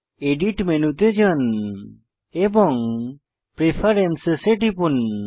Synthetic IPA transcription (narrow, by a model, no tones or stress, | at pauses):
eɖiʈmenut̪ed͡ʒən | ɛbɔŋ | pɾepʰaɾɛnsseʈipun